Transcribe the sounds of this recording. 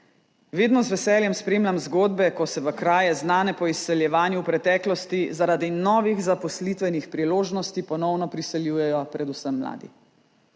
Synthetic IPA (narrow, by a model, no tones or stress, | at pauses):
ʋeːd̪nɔzʋɛsɛːljɛmspɾeːmlʲamzɡoːd̪bɛkɔsɛʋəkɾaːjɛznaːnɛpɔisːɛljɛʋaːnjuwpɾɛt̪ɛːklɔst̪izaɾaːd̪inɔːʋiɣzapɔslit̪ʋɛnixpɾiloːʒnɔst̪ipɔnɔwnɔpɾisɛljuːjɛjɔpɾɛd̪usəmːla̰ːd̪ḭ